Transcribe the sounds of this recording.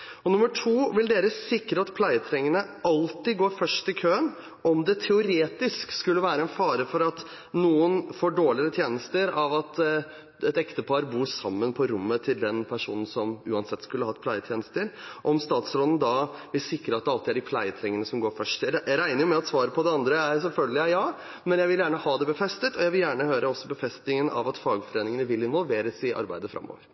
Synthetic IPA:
ɔnʊmːəʈʰuːʋɪld̪eːɾəsɪkɾəɑt̪pʰlæɪət̪ʰɾɛŋːənəɑlt̪ɪɡoːɾfœʂʈɪkʰøːən | ʔɔmd̪ɛt̪ʰɛʊɾeːt̪ɪskskʉlːəʋæːɾəɛnfɑːɾəfɔɾɑt̪ | nuːənfoːɖoːɭɪɾət̪ʰjeːnəst̪əɾɑʋɑt̪ | ɛt̪ɛkt̪əpʰɑɾbuːsɑmːənpʰɔɾʊmːət̪ʰɪld̪ɛnpʰæʂṵːnn̩sɔmʉːɑnsɛt̪ːskʉlːəhɑɛt̪pʰlæɪət̪ʰjeːnəst̪əɾʔɔmst̪ɑːt̪sɾɔd̪ən̩d̪ɑʋɪlsɪkːɾəɑt̪̚ɛɑlt̪ɪæɖɪpʰlæɪət̪ʰɾɛŋːənəsɔmɡoːɾfœʂʈɾæɪnəɾjʊmɛɑt̪sʋɑːɾəpʰɔd̪ɛɑnd̪ɾəæɾsɛlfœlɡəlɪæɪjɑː | mɛnjæɪʋɪljæːɳəhɑːd̪ɛbəfɛst̪ət̪ɔjæɪʋɪljæːɳəhøːɾəɔsːɔbəfɛst̪nɪŋənʔɑ̰ʋɑt̪fɑːɡfɔɾeːnɪŋənəʋɪlːɪnʋɔlʋeːɾəsɪʔɑ̰ɾbæɪd̪əfɾʔɑ̰mːo̰ːʋəɾ

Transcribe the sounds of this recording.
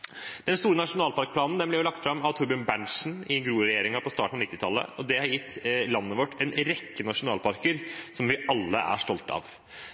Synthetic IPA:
d̪̥ɛnst̪uːɾənɑʂʊnɑːlpɑɾk̚plɑːnn̩d̪ɛmblɛɾjʊlɑk̚t̪fɾɑmɑʋt̪ʰʊɾbɪənbæɳʂn̩ɪɡɾuːəɾɛjeːɾɪŋɑpʰɔst̪ɑːʈɳ̩ɑʋnɪt̪ːɪt̪ʰɑlːə̰ɔd̪ɛhɑɾjɪt̪ːlɑnːəʋɔʈːɛnɾɛkːənɑʂʊnɑːlpʰɑɾkəɾsɔmʋɪʔɑlːə̰ʔæ̰ʂʈɔlt̪ɑ̰ːʋ

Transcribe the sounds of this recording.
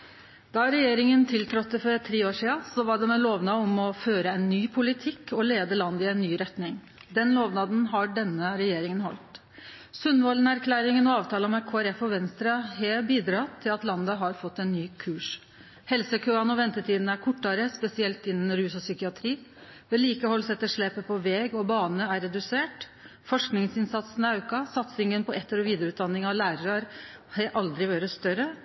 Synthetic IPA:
d̪̥ɑɾɛjeːɾɪŋənt̪ʰɪlt̪ʰɾɔt̪ːəfɔɾɛt̪ʰːɾeːoːʂiːɑsɔʋɑɖɛmɛloːʋnɑɔmɔføːɾəɛnːyːpʰʊlɪt̪ʰɪkːɔleːd̪əlɑnd̪əɪɛnːyːɾɛt̪nɪŋ | d̪ɛnloːʋnɑd̪n̩ɦɑɖɛnːəɾɛjeːɾɪŋənhɔ̰lt̪ | sʉnːʋɔlnæɾkʰlæːɾɪŋənɔɑːʋt̪ʰɑːləmɛkʰoːæɾɛfɔʋɛnst̪ɾɑheːbiːd̪ɾɑːt̪ʰːɪlɑt̪lɑnd̪əɦɑɾfɔt̪ːɛɪnːyːkʰʉːʂ | hɛlsəkʰøːɑnɔʋɛnt̪əʈʰiːd̪n̩æɾkʰɔʈːɑɾəspɛsɪɛlt̪ɪnːən̩ɾʉːsɔsʏkɪɑt̪ʰɾiː | ʋɛliːkəhɔlːsɛt̪ːəʂɭɛːpəpʰɔʋɛːɡɔbɑːnəæɾːɛd̪ʉseːʈ | fɔʂknɪŋsɪnsɑt̪sn̩ɑʉkɑsɑt̪sɪŋənpɔʔɛt̪ːəɾɔʋiːd̪əɾəʉːt̪̚d̪ɑnːɪŋɑʋlæːɾəɾɑɾ | hɛʔɑld̪ɾɪʋøːɾəst̪œɾə

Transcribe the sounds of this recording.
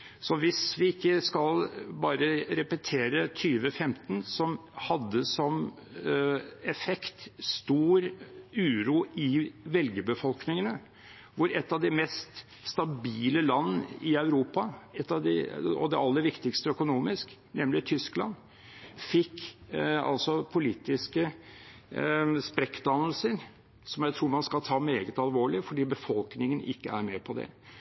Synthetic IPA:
sɔʋɪsʋɪɪkːəskɑlbɑːɾəɾɛpət̪ʰeːɾət̪ʰyːʋəfɛmt̪ən̩sɔmhɑd̪ːəsɔm | ɛfɛkt̪st̪uːɾʉːɾuːɪʋɛlɡəbəfɔlknɪŋənə | ʋʊɾɛt̪ːɑʋd̪ɪmɛst̪ | st̪ɑbiːləlɑnːɪɑʉɾuːpɑɛt̪ːɑʋd̪ɪ̰ɔ̰d̪ɛɑlːəɾʋɪkt̪ɪkst̪əœkʊnuːmɪsknɛmlɪt̪ʰʏsklɑ̰n | fɪkːɑ̰lsɔpʰʊliːt̪ɪskə | spɾɛkd̪ɑnəl̩səɾ | sɔmjæɪt̪ʰɾuːɾmɑnskɑt̪ʰɑːmeːɡət̪ɑlʋoːɭɪfɔɖiːbəfɔlknɪŋənɪ̰kːəæɾmeːpʰɔd̪ɛ̰

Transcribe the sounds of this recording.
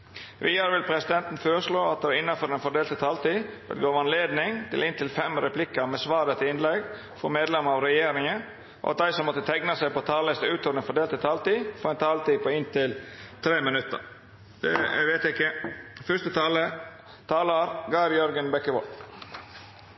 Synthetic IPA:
ʋʔiːæɾʋɪlpʰɾɛsɪd̪ɛnt̪n̩føːɾəʂɭoːɑt̪̚d̪ɛʋæɾɪnːɑfɔɖ̪ɛnfɔɖeːlt̪ət̪ʰɑːlt̪iːbɛ̰lɡoːʋɑnleːd̪nɪŋt̪ʰɪlɪnt̪ɪlfɛmɾɛplɪkːəɾmɛsʋɑːɾət̪ʰɪɪnlɛɡ | fɔɾmeːd̪lɛməɾɑʋɾɛjeːɾɪŋən | ʔɔ̰ʔɑt̪̚d̪æɪsɔmːɔt̪ːət̪ʰɛɡnɑsæɪpɔt̪ʰɑːləst̪əʉːt̪ɔːʋɾd̪ɛnfɔɖ̪eːlt̪ət̪ʰɑːlt̪iːfɔɾɛnt̪ʰɑːlt̪iːpɔɪnt̪ɪlt̪ʰɾeːmɪnʉt̪ːə̰ɾ | d̪ɛ̰ʋeːt̪ɪkːəfʏʂt̪ət̪ʰɑːlə | t̪ʰɑːlɑɾɡɑɾjœɾɡənbɛkəʋɔl

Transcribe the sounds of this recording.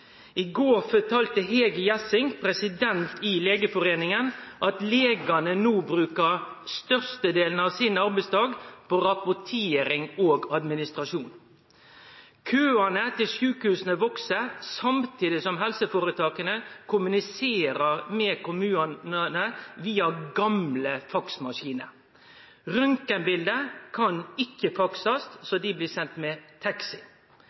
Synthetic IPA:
ɪɡoːɾfɔʈ̪ʰɑːlt̪əɦeːɡəjɛsɪŋpʰɾɛsɪd̪ɛnt̪ɪleːɡəfɔɾeːnɪŋənʔɑt̪leːɡɑnənuːbɾʉːkəɾst̪œʁst̪əd̪eːln̩ɑʋsɪnɑɾbæɪst̪ɑːɡpʰoɾɑpʊʈʰeːɾɪŋoːɡɑd̪mɪnɪst̪ɾɑʂuːn | kʰøːɑnət̪ɪlʃʉːkhʉːsən̩əʋɔksəsɑmt̪ʰiːd̪ɪsɔmɦɛlsəfoːɾət̪ʰɑːkənəkʰʊmʉnɪseːɾəɾmeːkʰʊmʉːɑnnənəʋiːɑɡɑmləfɑksmɑʂiːnəɾ | ɾʏŋkənbɪld̪əkʰɑnɪkːəfɑksɑst̪sod̪ɪbliːsɛnt̪mɛt̪ʰɑksɪ

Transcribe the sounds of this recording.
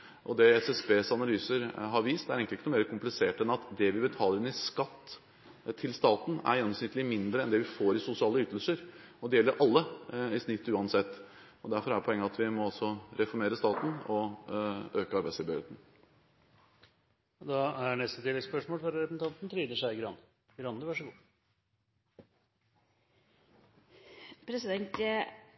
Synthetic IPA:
ʔɔd̪ɛɛsɛsbeːsɑnɑlyːsəɾɦɑɾʋiːst̪æɾeŋklɪkːənʊːmeːɾəkʰʊmplɪseːʈɛnɑt̪d̪ɛʋɪbət̪ʰɑːləɾɪnɪskɑt̪ʰː | ɪlst̪ɑːt̪n̩æ̰ɾjɛnːɔmsnɪt̪ːlɪmɪnd̪ɾəɛnd̪ɛʋɪfoːɾɪsʊsɪɑːləyːt̪əlsəɾɔd̪ɛjɛlːəɾʔɑlːəɪsnɪt̪ʰːʉːɑnsɛt̪ː | ɔd̪æɾfɔɾæɾpʰɔɛŋːəɑt̪ʋɪmɔɑlsɔɾɛfɔɾmeːɾəst̪ɑːt̪n̩ɔ | øːkəɑɾbæɪslɪbʏeːt̪n̩ | d̪ɑæɳɛst̪ət̪ʰɪːlːɛɡspœʂmoːlfɔɾɾɛpsn̩ɑnt̪nt̪ʰɾiːd̪əʂæɪɡɾɑnə | ɡɾɑnːəʋɑʂɔɡuː | pʰɾɛsɪd̪ɛnt̪

